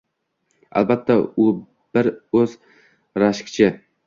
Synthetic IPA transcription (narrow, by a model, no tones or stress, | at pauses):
a̰lbat̪ʰːaʊ | b̥ɪɾɵz̥ | ɾaʃkʲt͡ʃʰɪ